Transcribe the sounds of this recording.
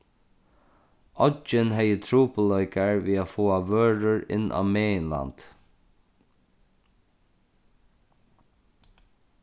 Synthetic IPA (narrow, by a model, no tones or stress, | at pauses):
ɔt͡ʃɪnɦɛjət̪ʰɾɹuːpəlœʏkaɹʋiːafoːaʋøːɹʊɹɪ̰nːʔa̰ːmeːɪnla̰nt̪